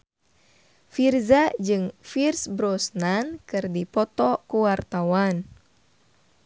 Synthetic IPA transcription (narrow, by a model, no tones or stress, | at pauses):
firzad͡ʒɨŋfirsbɾɔsnankɨrdipɔt̪ɔkuwart̪awan